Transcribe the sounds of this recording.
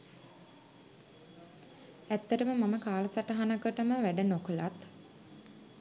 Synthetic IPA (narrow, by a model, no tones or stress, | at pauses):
æt̪ːəʈəməmaməkaːlɐsaʈəɦanəkəʈəməʋæɖənokəlat̪